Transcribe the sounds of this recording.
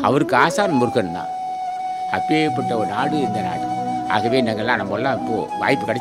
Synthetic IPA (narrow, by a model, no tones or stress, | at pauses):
ɐ̰ʋɐɾɯkːɯaːsaːnɐmʊɾɯkːɐnɯnːã̰ː | ɐ̰pːepːɐʈːɐɔɾɯnaːɽɯɛnd̪ɐna̰ːɽɯ | a̰ːɣɐʋeːɪnːɐŋɡɐɭlːãːnɐmːɐlːãːɪpːo̰ːʋa̰ːjpːɯkɐɽɛ